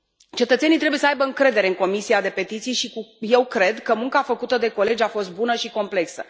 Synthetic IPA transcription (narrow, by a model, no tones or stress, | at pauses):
t͡ʃe̞t̪ət̪se̞nijt̪ɾe̞bujesəajbəɨŋkɾe̞d̪eɾe̞ɨŋko̞misiad̪e̞pe̞t̪it̪sijʃikuje̞wkɾe̞d̪kəmuŋkafəkut̪əd̪e̞ko̞le̞d͡ʒʲafo̞st̪̚bunəʃiko̞mple̞ksə